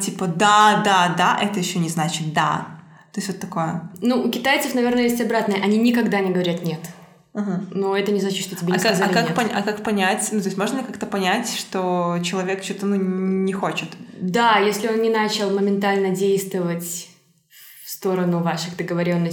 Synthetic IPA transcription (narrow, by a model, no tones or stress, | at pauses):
tʲipəd̪ad̪ad̪aʔɛt̪əjɪɕːonʲɪznat͡ɕɪt̪̚d̪a̰ | t̪o̞jɪsʲt̪ʲvot̪ːɐko̞jənuʊkʲɪt̪ajt̪səfnɐvʲe̞rnəjesʲtʲɐbɾat̪nəjəʔɐnʲinʲɪkɐɡd̪anʲɪɡəvɐɾʲat̪nʲe̞t̪ | aɦm̩noɛt̪ənʲɪznat͡ɕɪt̪ʂt̪otʲɪbʲeaskazakakpɐʔɐkakpɐnʲætʲnut̪o̞ɪsʲtʲmo̞ʐnəlʲɪkakt̪əpɐnʲætʲʂt̪o̞t͡ɕɪlˠɐvʲe̞kt͡ɕot̪ənunʲɪxo̞t͡ɕɪt̪d̪ajesʲlʲɪo̞nnʲɪnat͡ɕɪlˠməmʲɪnt̪alʲnədʲejst̪vəvətʲ | fst̪o̞ɾənʊvaʂɨɣd̪əɡəvɐɾʲo̞nːə